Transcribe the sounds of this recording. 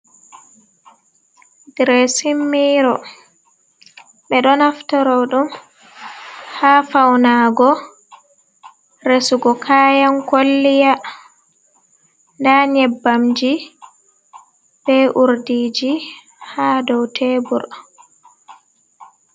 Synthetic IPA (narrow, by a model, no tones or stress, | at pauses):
ɡɾɛsimːiɾɔ | ɓɛɗɔnaftɔɾɔɗum | hafawnaɡɔ | ɾesuɡɔkʰaːjankolːija | ndaɲɛbːamd͡ʒi | bɛʔuɾdiːd͡ʒi | haːdɔwtʰɛːbuɾ